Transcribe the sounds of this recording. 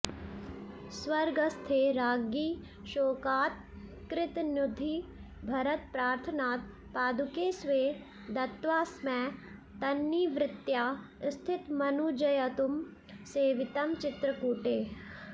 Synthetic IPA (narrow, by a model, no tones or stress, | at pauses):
sʋɐɾɡɐst̪ʰeːɾaːɡiː | ʃoːkaːt̪̚ | kɾɪt̪njʊd̪ʱiː | bʱɐɾɐt̪̚pɾaːɾt̪ʰənaːt̪̚ | paːd̪ʱukeːsʋeː | d̪ɐt̪ʋaːsmɛ̃ː | t̪ɐnːiːʋɾɪt̪jaː | st̪ʰɪt̪mɐnud͡ʒɐjɐt̪um | seːʋɪt̪ɐmt͡ʃɪt̪ɾəkuːʈeː